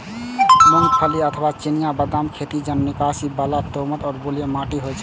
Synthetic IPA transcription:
məŋpʰəliət̪ʰəbat͡ʃenijabəd̪amkʰet̪id͡ʒənːikasibalat̪omət̪ɔːɾboljəmaʈiɦojt͡ʃʰɛ

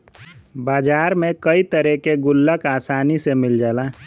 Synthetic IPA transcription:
baːd͡ʒaːɾmẽkəit̪əɾɛkeɡʊlːəkaːsaːnisemɪld͡ʒaːla

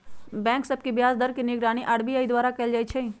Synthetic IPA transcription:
bɛ̃ːŋksɐb̚kibjaːzd̪ɐɾkinɪɡɾaːɽ̃iʔɐɽbiaːid̪waːɾakɛld͡ʒaːit͡ʃʰeĩ

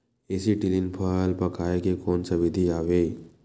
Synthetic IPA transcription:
esiʈilinpʰəlpəkajkekonsaʋid̪ʱiaʋe

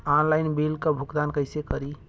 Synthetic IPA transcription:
anlajnbilkəbʱuɡd̪ankəjsekəɾi

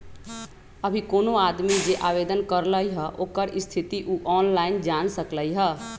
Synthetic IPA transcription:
əbʱikoːnoad̪mid͡ʒeʔaβed̪ənkəɾləjɦəʔoːkəɾist̪ʰit̪iʔuʔɔnlaind͡ʒansəkləjɦə

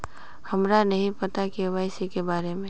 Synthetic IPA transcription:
həmɾanəɦĩpət̪akiʋaːɪsikebaːɾemẽ

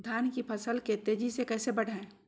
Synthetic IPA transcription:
d̪ʱaːnkipʰəsəlket̪eːd͡ʒisekɛːsebəɽ̤ʱaẽ

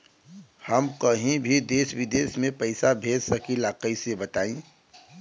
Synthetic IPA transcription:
həmkəɦĩbʱid̪eːsʋɪd̪eːsmẽpɐɪsabʱeːd̪səkilaːkəisebət̪aːĩː

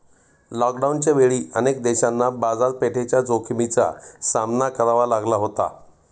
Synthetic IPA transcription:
lɔkɖaunt͡ɕaʋeɭiːʔənek̚d̪ɛɕanːabad͡zaɾ̚peʈʰet͡ɕjad͡zokʰmit͡sa̰samnakəɾaʋalaɡlaɦot̪a̰

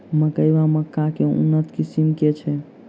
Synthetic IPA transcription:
məkəjʋaməkːakeṵnːət̪kisimket͡ʃʰɛ

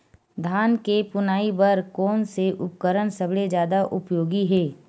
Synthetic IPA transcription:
d̪ʱaːnkepʊnaːibəɾkɔːnseʔʊpkəɾənsɐbɭed͡ʒjaːd̪aʔʊpjoːɡiɦɛː

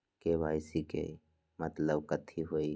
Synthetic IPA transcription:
keʋaːɪsikḛ | mət̪ləbkət̪ʰiɦoːiː

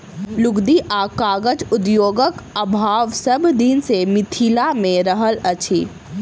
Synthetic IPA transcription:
lʊɡd̪iʔaːkaːɡəd͡ʒʊd̪joːɡəkəbʱaːʋsəbd̪insemɪt̪ʰiːlamẽɾəɦələt͡ʃʰiː

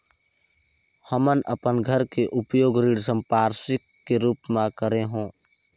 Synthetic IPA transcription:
həmənʔə̰pənɡʱəɾkeʔʊpjoːɡɾiːɽsəmpaːɾsɪkːeɾuːpmãkəɾeɦõː

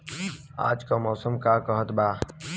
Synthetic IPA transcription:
a̰ːd͡ʒkaːmɔːsəmkaːkəɦət̪baː

